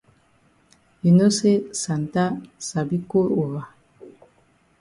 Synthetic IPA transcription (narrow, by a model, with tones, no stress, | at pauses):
i˨no˦se˦sa˨n˨ta˦sa˨bi˦ko˦ɾo˨wa˨